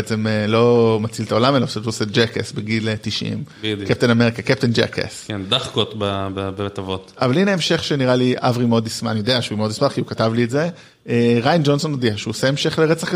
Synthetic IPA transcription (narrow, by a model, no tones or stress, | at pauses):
et͡se̞melo̞mat͡silt̪ao̞lamelaʃetuosed͡ʒekḛsbeɡilt̪iʃḭmkep̚t̪enameʁikakep̚tend͡ʒḛkḛskend̪aχkot̪bababevet̪avot̪avalineemʃe̞χʃeniʁaliʔa̰vʁimod̪ismanijodeaaʃvimod̪ismaʁkiukatavlietze̞ | eʁajnd͡ʒo̞nso̞nod̪iaʃeuoseemʃe̞χleʁet͡saχk